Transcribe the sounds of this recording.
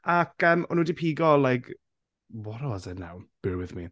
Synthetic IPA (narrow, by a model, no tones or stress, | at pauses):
akəːmɔnuːdipʰiːɡɔlˠajkʰ | wɔɾɔzəna̰wb̥ɪɹwɪðmḭ